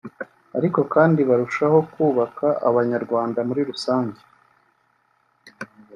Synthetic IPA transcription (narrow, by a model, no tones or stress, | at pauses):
aɾiko̞kaːndiβaɾuʃaho̞kuːβakʰaʔa̰βaɲaɾɡwaːndamuɾiɾusaːɲɟe